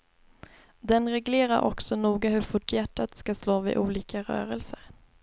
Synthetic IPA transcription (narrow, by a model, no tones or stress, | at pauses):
d̪ɛnɾɛɡleːɾaɾʔɔ̰ksɔnuːɡaɦɵɾfʊʈʰːjæʈːat̪skasloːvɪ̰ʔuːliːkaɾœ̰ːɾɛlsəɾ